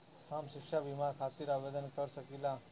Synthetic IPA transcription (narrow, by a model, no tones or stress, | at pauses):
hamɕikʂaʋimakʰat̪iːɾaʋed̪ənkəɾsəkila